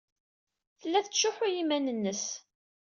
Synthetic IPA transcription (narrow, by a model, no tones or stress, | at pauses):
θəlːæθt͡sʃʊħʊjimænənːəs